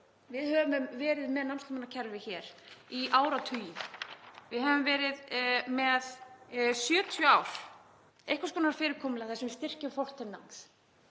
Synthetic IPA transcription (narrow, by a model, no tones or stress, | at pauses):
vɪðhɛvʏmvɛːɾɪðmɛðnanmst̪ːmanacʰɛɾvɪçɛːɾ̥iʔaːwɾat̪ʰyːjɪ | vɪðɦɛvʏmvɛːɾɪðmɛðsjœːt̪ʰjʏaːwɾ̥ | ehkvaskɔːnaɾ̥fɪːɾɪɾkʰɔːmɪlɛaθɛsɛmvɪst̪ɪr̥cɪmfɔr̥t̪ʰɛnna̰ŋs